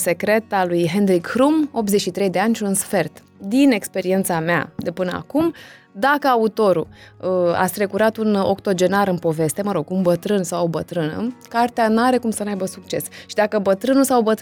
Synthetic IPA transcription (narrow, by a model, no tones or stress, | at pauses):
se̞kɾe̞t̪alujɦe̞nɾikhɾumo̞p̚t̪zet͡ʃʃit̪ɾe̞jd̪e̞anʲʃiunsfe̞rt̪ | d̪ine̞kspe̞ɾie̞nt̪samea̰d̪e̞pɨnəa̰kum | d̪akəaut̪o̞ɾṵəa̰st̪ɾe̞kuɾat̪uno̞̰kt̪o̞d͡ʒe̞naɾɨnpo̞ve̞st̪e̞məɾo̞ɡumbət̪ɾɨnsawobət̪ɾɨnə̰kart̪eanaɾe̞kumsənajbəsukt͡ʃe̞sʃid̪akəbət̪ɾɨnusawbət̪